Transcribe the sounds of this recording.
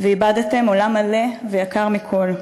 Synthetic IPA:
veibad̪te̞mo̞lamale̞vejakaʁmikʰo̞l

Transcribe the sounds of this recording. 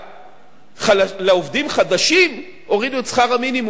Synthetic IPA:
χaaleovdimχadaʃim | o̞ʁiduet͡sχaʁaminimu

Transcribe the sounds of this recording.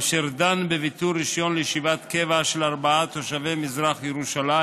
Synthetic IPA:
ʃeʁd̪anbevit̪uɾiʃjo̞nlejeʃivat̪kevaʃelaʁbaat̪oʃavemizʁaχjeʁuʃala

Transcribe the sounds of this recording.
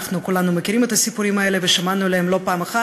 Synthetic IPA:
χnukulanumɐkʲiɾimɛt̪ɐsʲipuɾimɐeleveʃamanuleɦemlo̞paːmaχa

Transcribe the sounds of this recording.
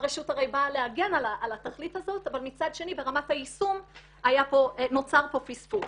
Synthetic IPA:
ʁeʃutaʁejbaleaɡe̞nalaʔalataχlithazo̞tavalmit͡sadʃe̞nibe̞ʁamathaisum | ajapo̞no̞t͡saʁpo̞fisfu

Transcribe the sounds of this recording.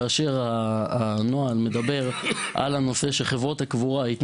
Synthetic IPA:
aːʃe̞ʁaano̞alme̞d̪abe̞ʁ | ʔa̰lano̞se̞ʃeχevʁothakvuʁait̪n

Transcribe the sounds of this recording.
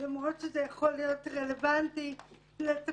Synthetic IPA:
lamʁo̞t̪ʃezejaχo̞lijo̞tʁelevanti | let

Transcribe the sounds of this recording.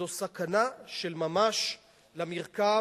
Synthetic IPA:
osakanaʃelmamaʃ | lamiʁka

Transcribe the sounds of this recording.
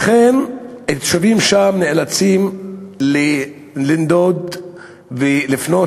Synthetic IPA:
aχenet̪ʃavimʃamneʔelat͡simle | lind̪od̪ | velifno

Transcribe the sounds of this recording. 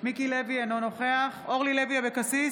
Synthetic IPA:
mikilevianono̞χeaχoʁlileviabekasi

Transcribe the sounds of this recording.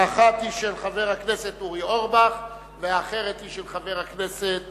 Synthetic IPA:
aχat̪iʃelχave̞ʁhakneset̪uʁioʁbaχ | veaχe̞ʁet̪hiʃelχave̞ʁhakneset̪̚

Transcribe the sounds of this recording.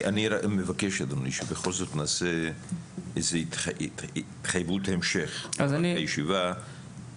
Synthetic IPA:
ʔaniɾamevakeʃad̪oniʃebeχo̞lzot̪naːse | ezeit̪ː | t̪χajvut̪ahemʃeχazaniajeʃiva

